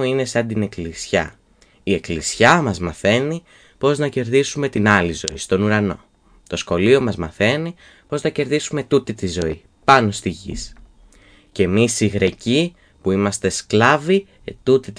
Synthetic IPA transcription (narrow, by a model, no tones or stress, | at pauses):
uine̞sɐnd̪ine̞klisçɐ̰ | ie̞klisçɐmɐzmɐθe̞ni | po̞znɐce̞ɾðisume̞t̪inɐlizo̞̰ist̪o̞nuɾɐno̞̰ | t̪o̞sxo̞lio̞mɐzmɐθe̞ni | po̞znɐce̞ɾðisume̞t̪ut̪it̪izo̞i | pɐno̞st̪iʝḭs | ce̞misiɣɾe̞ci | puimɐst̪e̞sklɐvi | t̪ut̪it̪